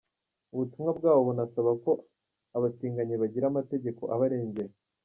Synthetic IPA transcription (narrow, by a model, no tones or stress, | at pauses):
uβutumŋabɡaːβoβunasaβako̞ | aβatiːŋɡaɲeβaɟiɾamate̞ɟe̞ko̞̰ʔaβaɾe̞ːɲɟe̞je